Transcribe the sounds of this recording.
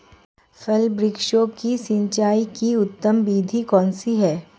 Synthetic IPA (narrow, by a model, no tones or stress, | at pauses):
fɛlbɾɪkʃoːkisɪ̃nt͡ʃaːikiʊt̪ːəmbiːd̪ʱikɔ̃ːnsiɦɛː